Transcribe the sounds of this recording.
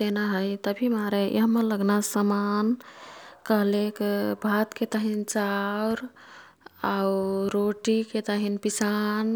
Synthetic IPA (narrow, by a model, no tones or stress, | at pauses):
senaɦəjt̪əbʱimaɾeʔḭɦəmələɡnasəman | kəɦlekebʱat̪ket̪əɦint͡ʃawɾ | auɾoʈiket̪əɦinpisan